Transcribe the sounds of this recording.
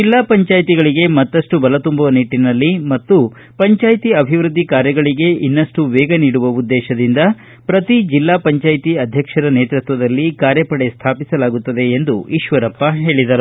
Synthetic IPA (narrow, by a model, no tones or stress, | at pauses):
d͡ʒilːaːpɐɲt͡ʃaːjt̪iɡɐɭiɡe̞mɐt̪ːɐʂʈubɐlɐt̪umbɐʋɐniʈːinɐlːimɐt̪ːu | pɐɲt͡ʃaːjt̪iɐbʱiʋɾud̪ʱːikaːɾjɐɡɐɭiɡe̞ʔinːɐʂʈuʋɛːɡɐniːɽuʋɐud̪ːɛːʃɐd̪ind̪ɐ | pɾɐt̪id͡ʒilːaːpɐɲt͡ʃaːjt̪iɐd̪ʱjɐkʂɐɾɐneːt̪ɾut̪ʋɐd̪ɐlːikaːɾjɐpɐɽest̪ʰaːpisɐlaːɡut̪ːɐd̪e̞ːnd̪uiːʃʋɐɾɐpːɐɦe̞ːɭid̪ɐɾu